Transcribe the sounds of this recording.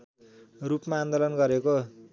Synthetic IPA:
rupmaːnd̪olʌnɡʌɾeko

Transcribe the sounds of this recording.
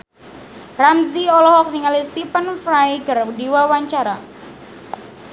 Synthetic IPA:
ramziɔlɔɦɔk̚niŋalist̪ipənfɾajkərdiwawaɲt͡ʃaɾa

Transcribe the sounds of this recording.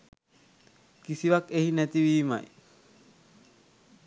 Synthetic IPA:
kisiʋakeɦinæt̪iʋiːma̰j

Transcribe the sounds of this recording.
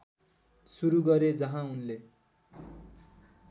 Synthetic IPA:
suɾuɡʌɾed͡zʌɦãunle

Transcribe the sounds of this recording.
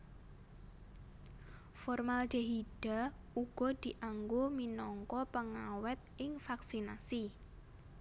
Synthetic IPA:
fɔrmald͡ʒ̥əɦiɖ̥a̤ | uɡ̥ɔd̪̥iʔaŋɡominɔŋkɔpəŋawɛt̪̚ʔɪŋfaksinasi

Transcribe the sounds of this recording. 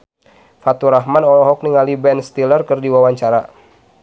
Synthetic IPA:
fat̪uɾaɦmanɔɦɔk̚niŋalibɛnst̪ilərkərdiwawaɲt͡ʃaɾa̰

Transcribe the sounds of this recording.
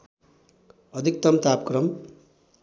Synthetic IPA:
ʌd̪ʱik̚t̪ʌmt̪apkrʌm

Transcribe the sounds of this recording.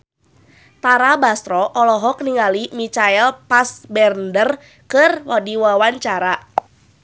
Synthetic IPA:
t̪aɾabast̪ɾɔʔɔlɔɦɔk̚niŋalimit͡ʃaɛlpasbɛrndər | kɨrwadiwawaɲt͡ʃaɾa

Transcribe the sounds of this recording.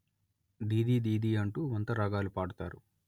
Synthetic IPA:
d̪iːd̪iːd̪iːd̪iːɐɳʈuːʋɐnt̪ɐɾɐɡaːlupaːɽut̪aːɾu

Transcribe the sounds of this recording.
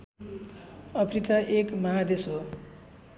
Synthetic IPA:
ʌpʰrikaʔekmʌɦad̪eso

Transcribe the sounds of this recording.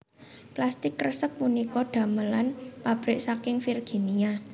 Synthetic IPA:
plast̪ɪkːrəsək̚munikɔɖ̪̥a̤məlanpab̥ɾɪʔsakɪŋfirɡ̥e̤nia

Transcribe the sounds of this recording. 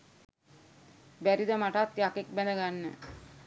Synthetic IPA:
bæɾid̪amaʈat̪ːjakek̚bɛnəɡanːə̰

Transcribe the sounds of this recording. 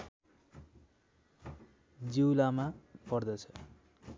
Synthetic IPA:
d͡ziwlamapʌrd̪ʌt͡sʰʌ̥

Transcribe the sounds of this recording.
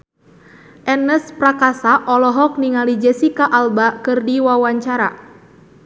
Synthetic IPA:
ʔɛnəspɾakasaʔɔlɔɦɔk̚niŋalid͡ʒɛsikaʔalbakɨrdiwawaɲt͡ʃaɾa̰

